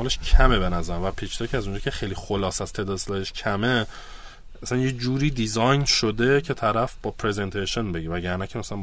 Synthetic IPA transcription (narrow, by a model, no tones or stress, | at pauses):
ɒːleʃcʰæmebe̞næzæɾæmvæpʰit͡ʃʰid̪ɒːcʰeæzund͡ʒɒːkcʰe̞χejlixolɒːsæz̥t̪ʰe̞d̪ɒd̪eslɒːd̪eʃcʰæme̞ | æsænjed͡ʒuːɾiːd̪izɒjnʃod̪e̞cʰe̞t̪ʰæɾæfb̥ɒːpʰɾe̞ze̞nt̪ʰeʃonbe̞ɟivæɟæɾnæcʰemæsælæn